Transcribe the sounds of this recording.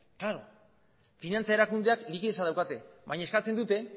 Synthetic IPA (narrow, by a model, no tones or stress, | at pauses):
klaɾo̞ | finant͡sae̞ɾakund̪eaklikiðe̞saðawkat̪e̞βajɲae̞skat͡se̞nd̪ut̪e̞